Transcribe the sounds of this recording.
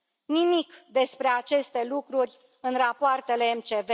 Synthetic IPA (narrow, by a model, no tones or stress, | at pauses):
nimikd̪e̞spɾe̞at͡ʃe̞st̪e̞lukɾurʲ | ɨnrapoart̪e̞le̞ːmt͡ʃeve